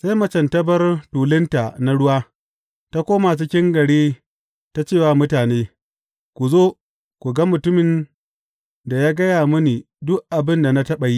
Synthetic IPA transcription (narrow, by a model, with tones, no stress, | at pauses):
sa˦jmɐ˨t͡ʃɐ˨ntɐ˦bɐ˦rtuː˨lɪ˦nta˨na˦ɽʊ˦waː˦ | ta˦kʷoː˦ma˨t͡ʃɪ˦kʲɪ˦ŋɡɐ˨ɽiː˦ | ta˦t͡ʃeː˦˨waː˦mʊ˦taː˨neː˦ | kʷu˨zoː˦ | kʷu˨ɡɐ˦mʊ˨tʊ˦mɪ˨n | da˨jaː˦ɡɐ˦jaː˨mʊ˦niː˨ | dʊ˦ʔʔa˨bɪ˦nda˨na˦tɐ˦ɓɐ˨ji˦